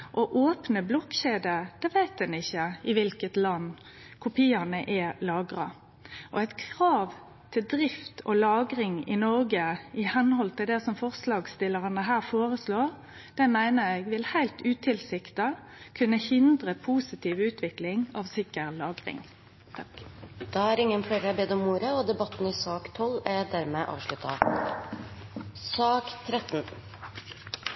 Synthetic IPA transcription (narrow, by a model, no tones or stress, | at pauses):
ʔɔʔoːpnəblɔkɕeːd̪əd̪̥ɛːʋæɪt̪̚ɛnɪçːəɪʋɪlkət̪lɑnː | kʰʊpʰiːɑnəʔɛlɑːɡɾɑ̰ | ʔɔæɪt̪kʰʁɑːʋ | t̪ʰɪld̪ɾɪft̪ʰɔlɑːɡɾɪŋɪ̰nɔɾɡəɪhɛnhɔlt̪ʰɪld̪ɛsɔmfɔʁslɑːɡst̪ɪlːəʁənəɦæːʁfoːɾəsloːʁ | d̪̥ɛmæɪnəɛɡʋɪlhæɪlt̪ʉːt̪ʰɪlsɪkt̪ɑ | kʰʉnːəhɪnd̪ʁəpʰuːsɪt̪ʰiːʋʉːt̪ʰʋɪklɪŋɑːʋsɪkəʁlɑːɡʁɪ̰ŋ | t̪ʰd̪̥ɑæːɾɪŋːənfɽæɪɾəæbeːd̪ɔmuːɾəɔd̪ɛbɑt̪ːn̩ɪsɑːkt̪ʰɔlæd̪æɾmɛʔɑ̰ːʋʂɭʉt̪ʰɑ̰ | sɑːkt̪ʰɾɛt̪n̩